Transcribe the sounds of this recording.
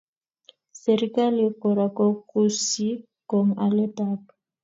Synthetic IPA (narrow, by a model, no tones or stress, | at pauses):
seɾikalikɔɾakɔkusi | kɔŋalɛtaːpḁ